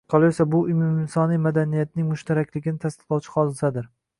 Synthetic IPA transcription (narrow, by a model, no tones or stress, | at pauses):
qʰɑlˠajsabʊʔʊmumɪnsɒnijmad̪anijat̪̚nɪŋmʊʃt̪ʰaɾakʲlɪɡʲɪnɪt̪ʰast̪ɨ̥qlˠɒwt͡ʃʰɪ̥χɒd̪ɪsad̪ɪɾ